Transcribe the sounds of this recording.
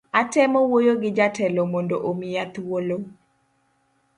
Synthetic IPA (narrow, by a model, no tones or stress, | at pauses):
atɛmɔwojoɡɪd͡ʒatɛlomondoʔomijat̪wolo